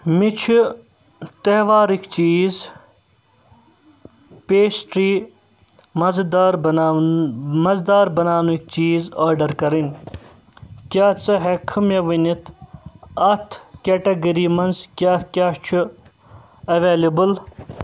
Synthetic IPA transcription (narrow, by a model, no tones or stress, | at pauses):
mit͡ʃʰi | t̪ɐɦʋaːɾikt͡ʃiːz | peːsʈɾiː | mɐzd̪aɾ | mɐzd̪aːɾbɐnaːnuik̚t͡ʃiːzaːɾɖɐɾkɐɾinʲ | kʲjaːt͡sɐɦekʰɨmeʋinit̪ʰ | ɐt̪ʰkeʈɐɡɐɾiːmɐnzkʲjaːkʲaːt͡ʃʰu | ɐʋeːlibɨl